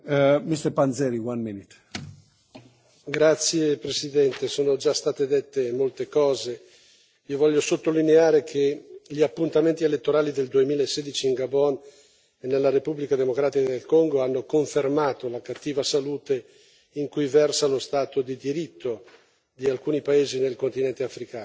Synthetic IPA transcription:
mist̪ɛɾpanzɛɾiwanminit̪ | ɡɾat̪sːjepɾesid̪ɛnt̪esoːnod͡ʒast̪aːt̪ed̪et̪ːemolt̪ekɔːze | iovɔʎːosot̪ːolineaːɾekʰeʎiapːunt̪ament̪ielet̪ːoɾaːlid̪eld̪uemiːlaesːeːd̪it͡ʃiːŋɡabɔn | enːelːaɾepublikad̪emokɾaːt̪ikad̪elkoŋɡoanːokoɱfermaːt̪olakat̪ːiːvasaluːt̪e | iŋkujvɛrsalost̪aːt̪od̪id̪iɾit̪ːo | d̪ialkuːnipaeːzinelkont̪inɛnt̪eafɾikaːno

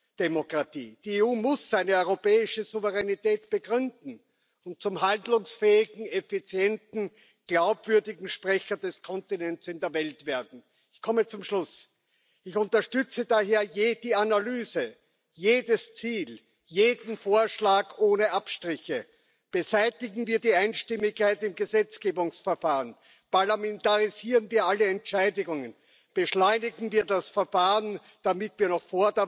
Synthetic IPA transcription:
d̥emokʁ̥atḭːd̥ieuːmʊsz̥aɪnəœʏʁopɛːɪʃəzuvəʁɛnitɛːtb̥əɡʁʏndn̩ | ʊnt̚t͡sʊmɦandlʊŋsfɛːɪɡŋ̩efit͡sjɛntn̩ | ɡ̥laʊpv̥ʏɐdɪɡŋ̩ʃpʁ̥ɛçɐdɛskʰɔntinɛnt͡sɪndeːɐvɛltv̥eːɐdn̩ | ɪçkʰɔmət͡sʊmʃlʊs | ɪçʊ̃ntɐʃtʏt͡sədaɦeːɐjeːd̥iːanalyːzə | jeːdəst͡siːl | jeːdn̩foːɐʃlaːkʔoːnəʔapʃtʁ̥ɪçə | b̥əzæɪtɪɡŋ̩viːɐdiːaɪnʃtɪmɪçkʰːaɪtɪmɡəzɛt͡sɡ̥eːbʊŋsfɛɐfaːʁən | paɐlamɛntaʁiziːʁənviːɐaləɛntt͡ʃaɪdɪɡʊŋən | b̥əʃlɔʏnɪɡŋ̩viːɐdasfɛɐfaːʁən | d̥amɪtviːɐnɔχfoːɐdɐ

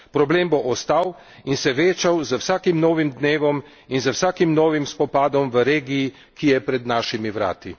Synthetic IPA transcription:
pɾɔbleːmboʔɔst̪aw | insɛʋeːt͡ʃawzəwsaːkimnɔːʋimd̪neːʋɔm | inzəwsaːkimnɔːʋimspɔpaːd̪ɔmʋəɾeːɡiː | kijɛpɾɛd̪naːʃimiʋɾa̰ːt̪i

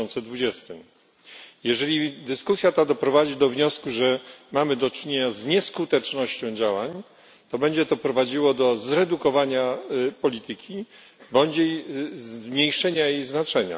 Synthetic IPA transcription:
ɔnt̪sɛd̪vud͡ʑɛst̪ɘm | jɛʐɛlʲid̪ɘskusʲjat̪ad̪ɔpɾɔvad͡ʑid̪ɔvɲɔskuʐɛmamɘd̪ɔt͡ʂɘɲeɲazɲɛskut̪ɛt͡ʂnɔɕt͡ɕɔ̃w̃d͡ʑawaɲ | t̪ɔbɛɲd͡ʑɛt̪ɔpɾɔvad͡ʑiwɔd̪ɔzɾɛd̪ukɔvaɲapɔlʲit̪ɘkʲʰi | bɔɲd͡ʑejzmɲejʂɛɲajejznat͡ʂɛɲa̰

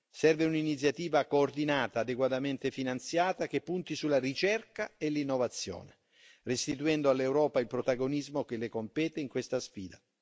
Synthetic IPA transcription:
sɛrveuninit̪s̬jat̪iːvakoːrd̪inaːt̪aːd̪eɡwat̪ament̪efinant̪sjaːt̪ak̟epːunt̪isularit͡ʃɛrkaelinːovat̪sːjɔ̰ːne | rest̪it̪uɛnd̪oalːewɾɔːpailpɾot̪aɡonizmok̟elekompɛːt̪eiŋkwest̪asfḭːd̪a

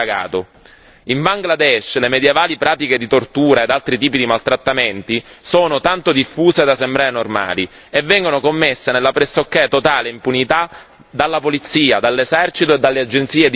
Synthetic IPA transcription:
aɡa̰ːt̪o | iɱbaŋɡlad̪ɛʃlemed̪jevaːlipɾaːt̪iked̪it̪ort̪uːɾaed̪alt̪ɾit̪iːpid̪imalt̪ɾat̪ːament̪isoːnot̪ant̪od̪ifːuːsed̪asembɾaːɾenorma̰ːli | evːɛŋɡonokomːesːenelːapɾesːokːɛt̪ot̪aːleimpunit̪a | d̪alːapolit̪sːiːad̪alːesɛrt͡ʃit̪oed̪ːalːead͡ʒːent̪siːed̪

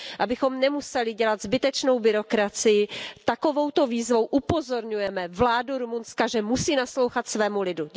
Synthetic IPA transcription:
ʔabɪxo̞mnɛmusɛlɪɟɛlad̪zbɪt̪ɛt͡ʃno̞wbɪɾo̞kɾat͡sɪjɪt̪ako̞vo̞wt̪o̞viːzvo̞wʔupo̞zo̞ɾɲujɛmɛvlaːduɾumunskaʒɛmusiːnaslo̞wxat̪svɛːmulɪdu

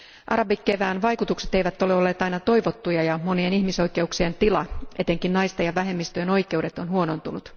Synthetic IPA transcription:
ʔɑ̰ɾɑbikːeʋæːnʋɑjkut̪ukse̞t̪e̞jʋæt̪ːo̞le̞olːe̞ːt̪ɑjnɑt̪o̞jʋot̪ːujɑjɑmo̞nienihmiso̞jke̞uksient̪ilɑʔe̞t̪e̞ŋkinnɑjst̪ɑjɑʋæɦe̞mːist̪øjeno̞jkˑe̞wde̞t̪o̞nɦuo̞no̞nt̪unut̪

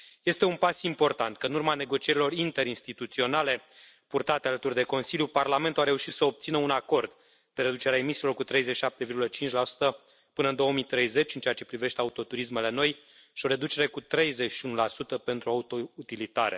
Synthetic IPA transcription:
je̞st̪e̞unpasimpo̞rt̪ant̪kəɨnurmane̞ɡo̞t͡ʃie̞ɾilo̞rint̪e̞ɾinst̪it̪ut̪sio̞nale̞ | purt̪at̪ealət̪urʲd̪e̞ko̞nsiljuparlame̞nt̪uaɾe̞uʃit̪səob̚t̪sinəunako̞rd̪ | p̪e̞ɾe̞d̪ut͡ʃeɾeae̞misilo̞rkut̪ɾe̞jzet͡ʃʃiʃap̚t̪evirɡulət͡ʃint͡ʃʲlasu̥t̪ə | pɨnəɨnd̪o̞oəmit̪ɾe̞jze̞t͡ʃʲɨnt͡ʃeat͡ʃe̞pɾive̞ʃt̪e̞aut̪o̞t̪uɾisme̞le̞no̞j | ʃioɾe̞d̪ut͡ʃe̞ɾe̞kut̪ɾe̞jze̞t͡ʃʃiunulasut̪əpe̞nt̪ɾuaut̪out̪ilit̪aɾe̞̰

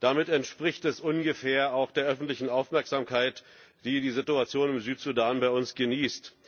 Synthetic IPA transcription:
d̥amɪtɛntʃpʁ̥ɪçtɛsʔʊnɡəfeːɐaʊxd̥eːɐʔœfn̩tlɪçn̩aʊfmɛɐkz̥aːmkʰaɪt | d̥iːdiːzɪtuat͡sjoːnɪmzyːtz̥udaːnbaɪʊnsɡ̥əniːst

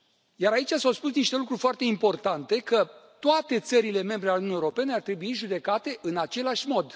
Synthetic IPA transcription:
jaɾait͡ʃasawspus̬niʃt̪e̞lukɾurʲfoart̪e̞impo̞rt̪ant̪e̞kət̪oat̪e̞t̪səɾile̞me̞mbɾealeununijeoɾo̞pe̞neart̪ɾe̞buiʒud̪e̞kat̪e̞ʔɨnat͡ʃe̞laʃʲmo̞d̪

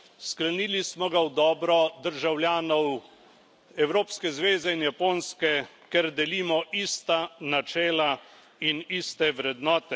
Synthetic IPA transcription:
sklɛniːlismɔɡawd̪ɔːbɾɔd̪əɾʒawljaːnɔw | ɛwɾoːpskɛzʋeːzɛinjapoːnskɛ | kɛɾd̪ɛliːmɔʔiːst̪anat͡ʃɛːla | iniːst̪ɛʋɾɛd̪nɔːt̪ɛ

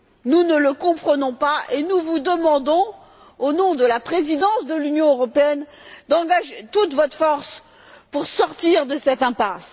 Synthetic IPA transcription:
nunələkɔ̃pχənɔ̃paʔenuvud̪əmɑ̃d̪ɔ̃ | onɔ̃d̪əlapχezid̪ɑ̃sd̪əlynjɔ̃øʁɔpeɛnd̪ɑ̃ɡaʒet̪ut̪vɔt̪fɔʁs | puʁsɔʁt̪iʁd̪əsɛt̪ɛ̃pas

